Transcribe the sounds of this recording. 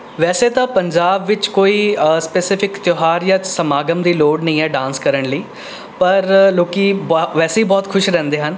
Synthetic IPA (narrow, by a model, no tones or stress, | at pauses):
ʋɛːseːt̪ãːpəɲd͡ʒaːbʋɪt͡ʃkoːiːspeːsɪpʰɪkt̪joːɦaːɾjãːsəmaːɡəmd̪iːloːɖnəĩːɛːɖãːnskəɾəɳləiː | pəɾloːkiːbʋɛːseiːbɔːt̪kʰʊʃɾɛ̃ːnd̪eːɦən